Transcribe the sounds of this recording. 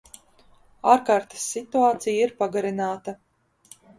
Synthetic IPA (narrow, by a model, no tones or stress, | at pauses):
aːɾkaːɾt̪ɐ̥sːit̪uaːt̪sijiɾpaɡaɾinaːt̪ɐ